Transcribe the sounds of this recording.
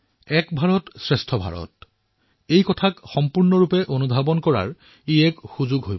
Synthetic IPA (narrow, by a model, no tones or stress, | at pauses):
ɛkbʱaɹɔtsɹestʰɔbʱa̰ɹɔ̰t̚ | ejkɔtʰakxɔmpuɹnɔɹupɛʔonubʱabɔnkɔɹa̰ɹ | ejɛkxuzʊɡɦoj